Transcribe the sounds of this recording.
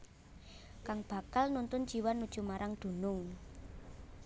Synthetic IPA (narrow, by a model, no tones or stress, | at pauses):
kaŋb̥ä̤kalnunt̪ʊnd͡ʒiwanːud̥ʒ̥ṳmaɾʔaŋd̪̥o̤nʊŋ